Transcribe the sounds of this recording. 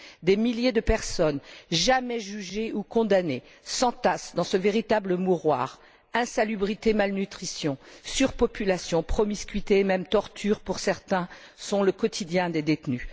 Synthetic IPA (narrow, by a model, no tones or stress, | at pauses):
d̪emiljed̪əpɛʁsɔnʒamɛʒyʒeukɔ̃d̪ane | sɑ̃t̪asd̪ɑ̃səveʁit̪abləmuʁwa̰ːʁ | ɛ̃salybʁit̪emalnyt̪χisjɔ̃syʁpɔpylasjɔ̃pχɔmiskʲɥit̪eːmɛmt̪ɔʁt̪ʰyʁpuʁsɛʁt̪ɛ̃ | sɔ̃ləkɔt̪ʰid̪jɛ̃d̪ed̪et̪ny